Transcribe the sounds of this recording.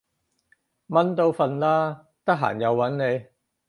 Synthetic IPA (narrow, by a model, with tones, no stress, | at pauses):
mɐ˨˥nt̪o˧wfɐ˧nlaː˥ | t̪ɐ˥k̚ɦa̰ː˨˩njɐ˨˧wːɐ˨˥nne˨˧j